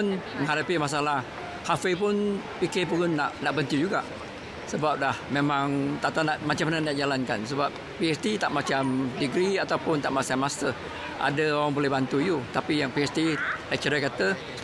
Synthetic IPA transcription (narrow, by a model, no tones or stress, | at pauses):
nmə̃ŋhaɾapimas̬alah | hafəp̬ʊn | pikepunːaʔnaʔbənt̪ud͡ʒuɡa̰ʔ | səbap̚lahmemãŋt̪aʔt̪anaʔmat͡ʃamananaʔd͡ʒalankansəbap̚ | piɛst̪it̪aʔmat͡ʃamdəɡɾiat̪awpʊnt̪aʔmasamasə | ʔa̰dəoɾaŋbolɛhbant̪uij̪ut̪apijaŋpiɛst̪ilat͡ʃəɾakat̪ə